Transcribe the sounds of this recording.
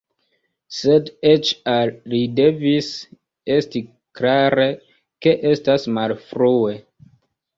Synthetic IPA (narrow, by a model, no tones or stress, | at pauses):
se̞det͡ʃalide̞vis | e̞sti | klaɾe̞ | ke̞ʔe̞stasmalfɾue̞